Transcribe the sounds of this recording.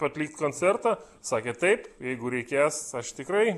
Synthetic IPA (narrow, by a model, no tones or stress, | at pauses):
pɐt̪ʲlʲiːk̚t̪koːnʲt͡sʲɛrt̪ɑ | sɑːkʲeːt̪ɐɪpjɛɪɡʊɾʲɛɪkʲeːsɐʃt̪ʲɪkɾɐɪ